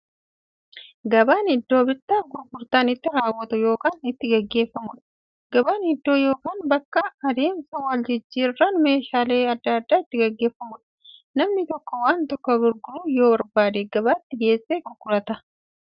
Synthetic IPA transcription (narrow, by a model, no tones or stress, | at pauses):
ɡɐbaːnɪd̪ːo̞ːbɪɾt̪ːaːɡʊɾɡʊɾt̪aːnɪt̪ːɪɾaːwːɐt̪ʊjo̞ːkaːnɪt̪ːɪɡɐɡːe̞ːfːɐmʊᶑɐ̥ | ɡ̥ɐbaːnɪd̪ːo̞ːjo̞ːkaːnbɐkːɐːd̪e̞ːmsɐwɐld͡ʒɪd͡ʒːiːrɐnʊme̞ːʃaːle̞ːɐd̪ːɐːd̪ːaːɪt̪ːɪɡɐɡːeːfːɐmʊᶑɐ̥nɐmnɪt̪ɔkːɔwaːnt̪ɔkːɔbʊɾɡʊluːjo̞ːbɐɾbaːd̪eɡɐbaːɪt̪ːɪɡe̞ːsʼːeːɡʊɾɡʊɾɐt̪ɐ